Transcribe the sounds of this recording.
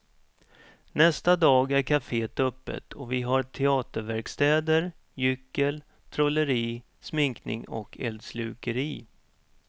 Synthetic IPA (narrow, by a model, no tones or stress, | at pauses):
nɛst̪ad̪ɑːɡæɾkʰafeːt̪ɵpːə̰t̪ʰɔvɪɦaɾʈ̪ʰɛɑːt̪əɾvæɾkst̪ɛːd̪əɾ | jʏkːəl | t̪ʰɾɔləɾiː | smɪŋknɪ̰ŋɔ̰kʰɛ̰ld̪slʉːkəɾiː